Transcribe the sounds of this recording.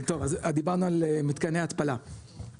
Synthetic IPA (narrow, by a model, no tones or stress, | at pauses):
t̪o̞vazad̪ibaʁnualemit̪kanejat̪pala